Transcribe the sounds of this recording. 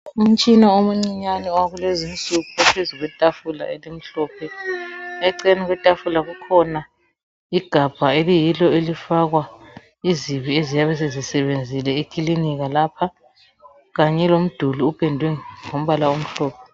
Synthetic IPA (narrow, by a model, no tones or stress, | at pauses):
um̩t͡ʃʼinaomuŋ͡ǀiɲaniwaɣulezint͡sʼuɣuapʰezuɣwɛtʼafula̰elim̩ɬɔːpʰɛ | ɛǀɛniɣwɛtʼafulaɣukʰɔna | iɡ̥ʱab̥ʱaelijilɔelifaɣwa | iziβiezijaβɛs̬ezisɛβend͡zʱilɛikʰʼiliniɣalaːpʰa | ɣaɲɛlom̩d̥ʱuluupʰʼɛndʱwɛŋom̩βalaom̩ɬɔːpʰɛ